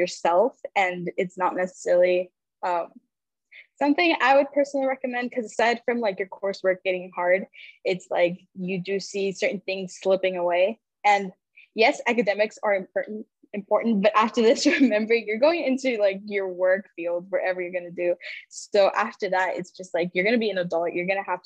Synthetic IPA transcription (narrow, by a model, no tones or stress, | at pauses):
ə˞sɛlˠfɨ̃nɨtsnətⁿnɛsə̥sɛɹl̩ˠi | ʌ̃m | sʌ̃mθɪ̃ŋa̰ɪwɨd̚pʰɜ˞snl̩ˠiɹɛkɨmɛ̃nd̚kʰʌzɨsaɪd̥fɹʌ̃mlaɪkjə˞kʰɔɹswɜ˞k̚ɡ̥ɛɾɪ̃ŋhɑɹdɪtsla̰ɪk | jɨdɨsisɜ˞ʔn̩θɪ̃ŋz̥slɪpɪ̃ŋəweɪ | ɨ̃n | jɛsækɨdɛmɨksə˞ɨ̃mp̚ʰɔɹʔn̩ | ɨ̃mpʰɔɹʔn̩tb̥ʌɾʔæftə˞ðɪsɹɨmɛ̃mbə˞ɪ̃ŋjə˞ɡoʊɪ̃ŋɪ̃ntʉlaɪkjə˞wɜ˞kfilˠdzwʌɾʔɛvə˞jə˞ɡʌnɨdʉsoʊʔæftə˞ðætɪ̰tsd̥ʒ̥ʌst̚laɪkjə˞ɡʌnɨbiɨ̃nədɑlˠəʔjʔə˞ɡʌnɨhæft